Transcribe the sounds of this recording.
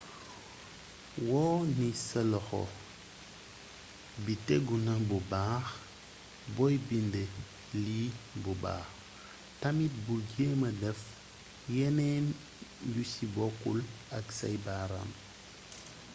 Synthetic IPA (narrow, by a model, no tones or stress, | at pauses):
wɔːnisɐlɔxɔ̰ | bitɛɡunɐbubaːx | bɔjbinde | libuba̰ːx | tɐmit̚bulɡeːmɐdɛf | jɛnɛːn | ɟusibɔkːul | ɐksa̰jbaːɾa̰m